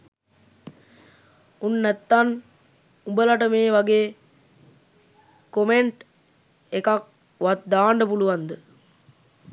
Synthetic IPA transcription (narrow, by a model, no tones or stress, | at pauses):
unːɛt̪ːan | ubəlɐʈəmeːʋɐɡeː | komeɳʈ | ekak̚ | ʋat̪̚d̪aːɳɖəpuluʋand̪ə